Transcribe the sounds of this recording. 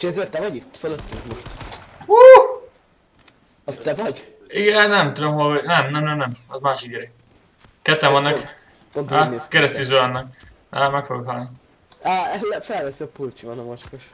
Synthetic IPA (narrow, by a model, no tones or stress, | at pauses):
t͡ʃʰɛzeːrt̪ːɛvɒɟit̪ːføløt̪ːykmoʃt̪u | ɒst̪ɛvɒɟ | iɡɛnɛmt̪ud̪omɦolnɛmnɛmnɛmnɛmɒzmaːʃikiɾɛ | kɛt̪ːɛmvɒnːɒk | pont̪aezkɛɾɛst̪izøɒnːɒk | aːmɛkfoɡokɦɒlni | ɛɛlfɛlvɛsiɒpult͡ʃivɒnɒmot͡ʃkoʃ